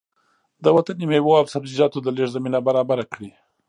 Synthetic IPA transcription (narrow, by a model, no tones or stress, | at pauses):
d̪əwat̪animewoabsabzizɑt̪od̪əleʐzaminabaɾɑbaɾakɽi